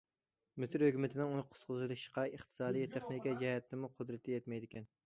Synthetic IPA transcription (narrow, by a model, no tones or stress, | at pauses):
mɪsɨɾhøkʲymɪt̪ʰɪnɪŋuqʰʊ̥t̪qʰʊzɨlˠɨʃqɑeχt̪ʰɨ̥sɑːd̪ijt̪ʰeχnɪkʲid͡ʒɛhɛt̪ːɪmuqʰʊd̪ɾɨt̪ʰːɛjɛt̪mɛjd̪ɪkʲɛn